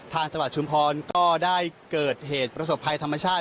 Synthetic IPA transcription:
t̪ʰaː˧ŋt͡ɕa˧ŋwa˨˩t̪̚t͡ɕu˧˥mpʰɔː˧nkɔː˥˩daː˥˩jkɤː˨˩t̪̚ɦeː˨˩t̪̚pɾa˧so˨˩pʰːa˧jt̪ʰa˧mːa˧t͡ɕʰaː˥˩t̪̚

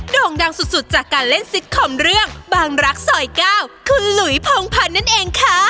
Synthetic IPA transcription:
doː˧ŋda˧ŋsu˨˩t̪̚su˨˩t̪̚t͡ɕaː˨˩kːaː˧nle˥˩nsi˦˥t̪̚kʰɔː˨˩mɾɯ˥˩əŋbaː˧ŋɾa˦˥k̚sɔː˨˩˦jkaː˥˩wkʰɯː˧lu˨˩˦jpʰoː˧ŋpʰa˧nːa˥˩nʔeː˧ŋkʰa˦˥

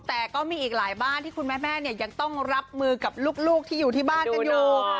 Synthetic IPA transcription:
t̪ɛː˨˩kɔː˥˩miː˧˩ʔiː˨˩k̚laː˩˦jbaː˥˩nt̪ʰiː˥˩kʰu˧nmɛː˦˥˩mɛː˥˩ni˥˩ɐja˧ŋt̪ɔ˥˩ŋɾa˦˥p̚mɯː˧ka˨˩p̚luː˥˩k̚luː˥˩k̚t̪ʰiː˥˩juː˨˩t̪ʰiː˥˩baː˥˩nka˧juː˨˧˩

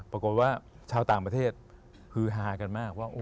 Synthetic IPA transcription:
pɾa˧ko˨˩t̪̚waː˥˩ | t͡ɕʰaː˧wt̪aː˨˩ŋpɾa˧t̪ʰeː˥˩t̪̚ | kʰɯː˧ɦaː˨˩˦ka˧nmaː˥˩k̚waː˥˩ʔoː˧

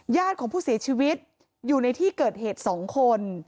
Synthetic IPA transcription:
jaː˥˩t̪̚kʰɔː˩˦ŋpʰuː˥˩si˩˦ɐt͡ɕʰiː˧wi˦˥t̪̚ | juː˨˩na˧jt̪ʰiː˥˩kɤː˨˩t̪̚heː˨˩t̪̚sɔː˩˦ŋkʰo˧n

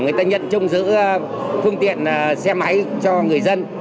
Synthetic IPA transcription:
ŋɨ˨˩əjt̪aː˧ɲə̰˧˨nt͡ɕʊ˧ŋ͡mzɨ̰˧˥ | fɨ˧əŋt̪ḭ˧˨ən˩sɛ˧ma˨˦jt͡ɕɔ˧ŋɨ˨˩əjzə˧n

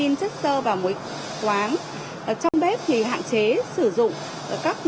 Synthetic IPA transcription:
i˧nt͡ɕə˦˥k̚səː˧vaː˨˩wmo˨˦j | t̪waː˨˦n˨˩ | t͡ɕɔ˧wŋ͡mɓɛ˦˥p̚t̪ʰi˨˩ɦa̰ː˧˨nt͡ɕe˨˦sɨ˧˩zʊ̰˧˨ŋ͡m | kaː˦˥k̚

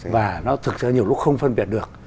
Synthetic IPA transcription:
vaː˨˩nɔ˨˦t̪ʰɨ˨˩k̚sɨ̰˧˩ɲi˨˩əwlʊ˦˥xə˧wŋ͡mfə˧nɓi˨˩ət̚ɗək̚

